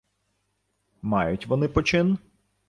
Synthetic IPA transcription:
mɑjʊtʲʋɔnɪpɔt͡ʃɪn

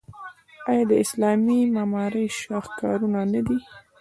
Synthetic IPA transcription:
ɑjɑd̪əɪslɑmimamɑɾəjʃɑxkɑ̰ɾunanad̪i

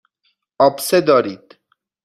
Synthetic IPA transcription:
ʔɒːbsed̪ɒːɾiːd̪̥

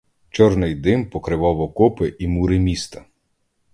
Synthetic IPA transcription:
t͡ʃɔrnɪjd̪ɪmpɔkɾɪʋɔʋɔkɔpɪʔimuɾɪmʲist̪ɐ

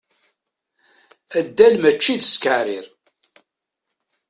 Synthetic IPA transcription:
əd̪ːælmət͡ʃːiðskəɾḭɾ

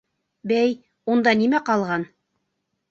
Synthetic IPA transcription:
bæj | und̪ɑnimæqɑlˠʁɑn

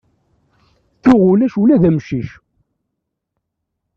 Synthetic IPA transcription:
θʊʁʊlæʃulæðæmʃiʃ

